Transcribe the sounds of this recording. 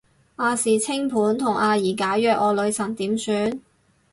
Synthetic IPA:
ʔaː˧siː˨˩t͡sʰɪ˥ŋpʰuː˨˥nt̪ʰʊ˨˩ŋʔaː˨˧jiː˨˩kaː˨˥jjœː˧k̚ɔː˨˧lɵ˨˧ɥsɐ˨˩nt̪iː˨˥msyː˨˧˥n

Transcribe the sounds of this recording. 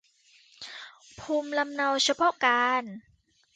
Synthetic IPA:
pʰuː˧mla˧mna˧wt͡ɕʰa˧˥pʰɔ˦˥ʔkaː˧n

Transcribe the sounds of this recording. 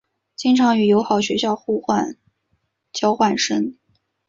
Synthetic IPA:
t͡ɕi˥ŋʈ͡ʂʰɑ˧˥ŋy˨˩jo˧˥ʊxɑ˨˩ʊɕɥɛ˧˥ɕjɑ˥˧ʊxu˥˧xwa˥˧n | t͡ɕjɑ˥ʊxwa˥˩nʂə˥ŋ

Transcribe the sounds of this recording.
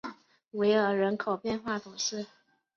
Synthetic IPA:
we˧˥ɪə˞˨˥ɻə˧˥nkʰo˨˩ʊpjɛ˥˧nxwa˥˩t̪ʰu˨˩ʂɻ̩˥˩

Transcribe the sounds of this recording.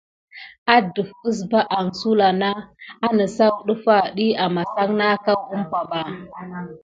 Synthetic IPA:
a˦du˨fku˦s̬ba˦ʔa˨ŋsu˦la˨na˦a˦nə˨sa˦wɗu˦fa˨ɗi˦a˨ma˨sa˦ŋna˦ka˦ɡu˦mkʷa˨ɓa˨

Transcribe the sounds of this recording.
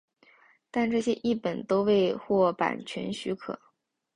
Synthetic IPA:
t̪a˥˧nʈ͡ʂɤ˥˩ɕjɛ˥ʔi˥˩pə˨˩nt̪o˥ʊwe˥˧ɪxwɔ˥˩pa̰˨˩nt͡ɕʰɥɛ̰˧˥nɕy˧˥kʰɤ̰˨˩˦

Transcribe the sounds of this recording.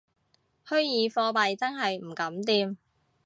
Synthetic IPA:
hɵ˥ɥjiː˨˧fɔː˧pɐ˨jt͡sɐ˥nɦɐ˨jm̩˨˩kɐ˨˥mt̪iː˧m

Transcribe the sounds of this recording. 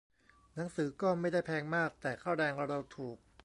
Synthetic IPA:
na˩˦ŋsɯː˩˦kɔː˥˩ma˥˩jda˥˩jpʰɛː˧ŋmaː˥˩k̚t̪ɛː˨˩kʰaː˥˩wɾɛː˧ŋ˧ɾa˧wt̪ʰuː˨˩k̚

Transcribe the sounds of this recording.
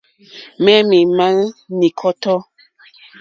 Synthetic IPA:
mɛ˦mi˨ma˦ŋni˨kʰɔ˦tɔ˦

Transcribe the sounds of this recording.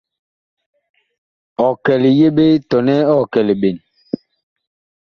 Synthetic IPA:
ɔ˨kɛ˨li˨je˦ɓe˦tɔ˨nɛ˦ɔ˦˨kɛ˨le˨ɓe˨n

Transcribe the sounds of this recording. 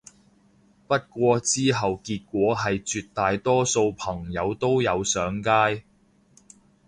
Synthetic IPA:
pɐ˥t̚kʷɔː˧t͡siː˥ɦɐ˨wkiː˧t̚kʷɔː˨˥ɦɐ˨jt͡ʃyː˧t̚t̪aː˨jt̪ɔː˥so˧wpʰɐ˨˩ŋjɐ˨˧wt̪o˥wjɐ˨˧wsœː˨˥ŋkaː˥j

